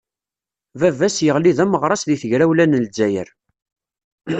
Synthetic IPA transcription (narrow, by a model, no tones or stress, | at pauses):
vævæsjəʁliðæməʁɾˤɑsðiθəʝɾæwlænəlzæjə̰ɾ